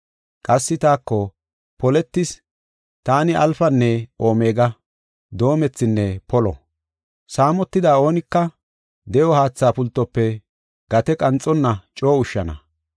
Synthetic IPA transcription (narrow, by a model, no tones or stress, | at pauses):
kʼɐsːɪt̪aːkːɔ | pɔlɛt̪ːɪs | t̪aːnɪʔɐlfɐnːɛo̞ːme̞ːɡɐ | d̪o̞ːmɛt͡sːɪnːɛpɔlɔ̰ | saːmɔt̪ːɪd̪aːo̞ːnɪkːɐ | d̪ɛjɔhaːt͡sːaːpʊlt̪ːɔpːɛ | ɡ̥ɐt̪ɛkʼɐnt͡sʼːɔnːɐt͡ʃʼo̞ːʊʃːɐnɐ̰